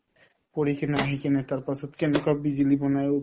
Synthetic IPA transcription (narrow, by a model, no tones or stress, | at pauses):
poɾikʰenaaɦikenet̪aɾpasʰot̪kenokabbid͡ʑilibɔnaeu